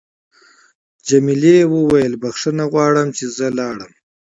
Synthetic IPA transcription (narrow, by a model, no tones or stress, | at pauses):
d͡ʒamilewəwajəlbaxʂənaɣwɑːɽəmt͡ʃʰezəlɑːɽəm